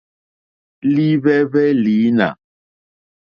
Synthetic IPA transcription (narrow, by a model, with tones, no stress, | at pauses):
li˦βɛ˦bɛ˦li˨˦na̰˨